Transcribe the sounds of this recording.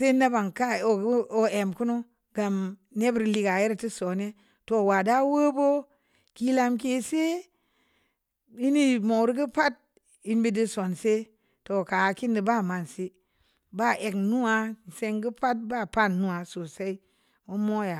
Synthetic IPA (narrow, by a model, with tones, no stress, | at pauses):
se˦na˦ba˨ŋka˦o˨ɡo˦e˨mku˦nu˦ | ɡ̥a˨mne˦bɾli˦ɡa˨ji˦ɾti˦so˨ne˦ | to˨wa˨da˦wo˦bo˦ | ki˦la˦mk̬e˦se˦ | i˦ni˦mo˨wɾɡi˦pa˦t̚ | i˦nbi˦di˦so˨nse˦ | to˨ka˨ki˦ndi˨ba˦˨ma˨nsi˦ | ba˦ʔe˨knu˦a˦˨se˦ŋɡi˦pa˦t̚ba˦˨pa˦˨nːu˦a˨so˨sa˦i˦ | o˦mo˦ja˨